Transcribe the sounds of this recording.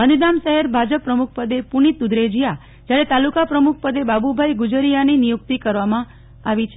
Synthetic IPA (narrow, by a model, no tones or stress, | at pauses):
ənid̪amʃəɦeɾbʱad͡ʒəpːɾəmuk̚ʰpəd̪epuɳit̪ud̪ɾed͡ʒija | d͡ʒjaɾet̪alukapɾəmuk̚ʰpəd̪ebabubʱajɡud͡ʒəɾijaninijuk̚t̪ikəɾʋamã | aʋit͡ʃʰ